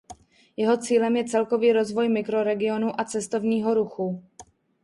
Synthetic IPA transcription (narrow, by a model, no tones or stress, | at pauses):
jɛɦo̞t͡siːlɛmjɛt͡sɛlko̞viːɾo̞zvo̞jmɪkɾo̞ɾɛɡɪo̞nuʔat͡sɛst̪o̞vɲiːɦo̞ɾuxu